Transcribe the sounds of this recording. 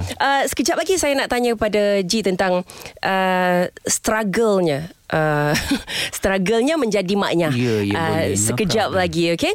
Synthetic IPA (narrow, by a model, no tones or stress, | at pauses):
ʔəsə̥kəd͡ʒap̚laɡisajanaʔt̪aɲəkəpadad͡ʒit̪ənt̪aŋʔə | st̪ɾaɡəlɲa | ʔə | st̪ɾaɡəlɲamə̃ɲd͡ʒadima̰ʔɲaəsəkəd͡ʒap̚laɡioke